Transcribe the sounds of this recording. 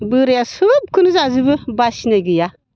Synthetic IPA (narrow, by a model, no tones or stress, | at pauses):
buɾijasuub̚kunzazibəbaʃineɡija